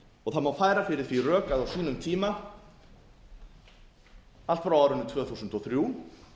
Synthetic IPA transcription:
ɔɣθaðmawfaːjɾafɪɾɪɾ̥θvirœːkaðawsiːnʏmt̪ʰiːma | al̥t̪fɾawaːwɾʏnʏt̪ʰvœːθuːsʏnt̪ɔɣθɾjuː

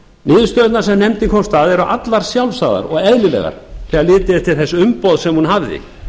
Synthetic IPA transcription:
nɪːðst̪œðt̪naɾ̥sɛmnɛmt̪ikʰɔmst̪aːðɛɾʏʔat̪laɾ̥sjawlsaːða̰ɾɔɣɛðlɪlɛ̰ɣa̰ɾ̥θɛːalɪːt̪ɪt̪ʰɪlθɛsːʏmpɔwðsɛmhunɦavðɪ̰

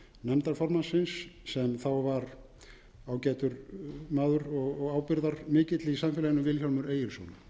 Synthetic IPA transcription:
nɛmt̪aɾfɔɾmansɪnsːɛmθawvaɾ | aːwcɛːt̪ʏɾmaːðʏɾɔɣɔɣaːwpɪɾðaɾmɪːcɪt̪lɪisamfɪlajɪnʏvɪlçɔlmʏɾeːjɪɾ̥sɔ̰wna

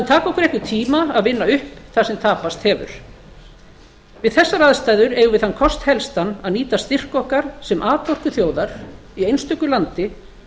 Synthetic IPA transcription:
at̪ʰaːkɔwkʏɾɛhʏt̪ʰiːmaaðvɪnːaʏhpθasɛmt̪ʰaːpast̪hɛːvʏ̰ɾ̥ | vɪðθɛsːaɾaðst̪aːjðʏɾɛɣʏvɪðhankʰɔst̪hɛlst̪anːaðniːt̪ast̪ɪr̥kɔhkaɾ̥sɛmʔaːðp̪ɔr̥kʏθjoːwðaɾ̥ | iejnst̪ʏkʏlant̪ɪ

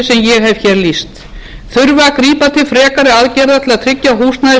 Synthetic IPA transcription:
sɛmjɛɣɦɛv̥çɛːɾlist̪ | θʏɾvakɾiːpat̪ʰɪlfɾɛːkaɾɪaðcɛɾðat̪ʰlaðt̪ʰɾɪcːaɦuːst̪naðɪ

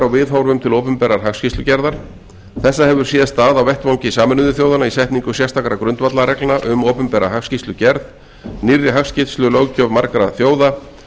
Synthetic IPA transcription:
ɾawvɪðɦawɾvʏmt̪ʰɪloːwpʏmpɛːɾaɾ̥ɦakfscist̪ʏcɛɾðaɾ̥ | θɛsːahɛvʏɾ̥siːðast̪aːðawvɛht̪vawɲcɪsaːmʏnʏðʏθjoːwðanaisɛht̪niŋkʏsjɛ̥st̪ʰakɾakɾʏnt̪vat̪laɾɛklnaʔʏmowpʏmpɛːɾa̰ɦafscist̪ʏcɛɾð | nirːɪɦafscɪt̪slʏlowcœvmaɾkaɾa̰θjoːwða

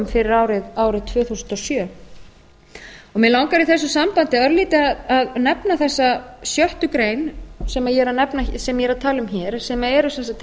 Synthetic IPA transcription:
mfɪɾɪɾaːwɾɪðaːwɾɪðt̪ʰvœːθuːsʏnt̪ɔsjœː | ɔɣmɛlawŋkaɾiθɛsːʏsampant̪ɪaðœɾliːt̪ɪaðaðnɛpnaθɛsːasjœht̪ʏkɾeːjnsɛmajɛɾaðnɛpnasɛmajɛɾaðt̪ʰaːlʏmçɛːɾ̥sɛmaɛɾʏsɛnsat̪

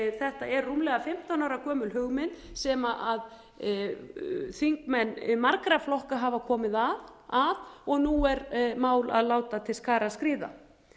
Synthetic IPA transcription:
θɛht̪aɛrːumlɛɣafɪm̥t̪anawɾakʰœːmʏlɦʏɣmɪnsɛːmaʔað | θiŋkmɛnːmaɾkɾaflɔhkaɦaːvakʰɔːmɪðaðaðɔɣnuɛɾmaːwla̰ðlaːwt̪at̪ʰɪlskaːɾaskɾɪːða̰

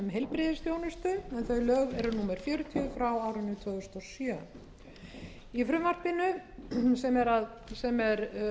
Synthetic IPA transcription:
mɦejlpɾɪðɪsθjownʏst̪ʏɛnθœɥlœɣɣɛɾʏnuːmɛɾ̥fjœːɾʏt̪ʰiʏfɾawaːwɾɪnːʏt̪ʰvœːðʏst̪ɔsjœ | ifɾʏmvar̥pɪnʏsɛmɛɾað | sɛmɛɾ

